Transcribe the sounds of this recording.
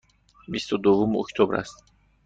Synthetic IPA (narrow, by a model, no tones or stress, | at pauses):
bist̪ʰud̪ovumo̰kt̪ʰobɾa̰st̪